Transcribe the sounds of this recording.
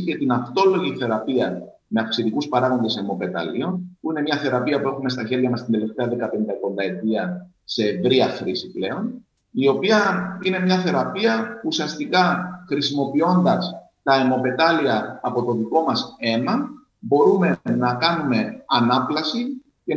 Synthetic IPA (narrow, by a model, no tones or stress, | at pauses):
ce̞t̪inɐft̪o̞lo̞ʝiθe̞ɾɐpiɐ | me̞ɐfksit̪ikuspɐɾɐɣo̞nd̪ese̞mo̞pe̞t̪ɐ̰lio̞npuine̞mɲɐθe̞ɾɐpiɐpue̞xume̞s̬t̪ɐçe̞ɾʝɐmɐst̪ind̪e̞le̞ft̪eɐðe̞kɐpe̞nd̪ɐko̞nd̪ɐe̞t̪iɐ | se̞ːvɾiɐxɾisi̥ple̞o̞n | io̞piɐine̞mɲɐθe̞ɾɐpiɐuusiɐst̪ikɐxɾisimo̞pio̞nd̪ɐs | t̪ɐe̞mo̞pe̞t̪ɐliɐːpo̞t̪o̞ðiko̞mɐse̞mɐ | bo̞ɾume̞nɐkɐnume̞ɐnɐplɐsi | ce̞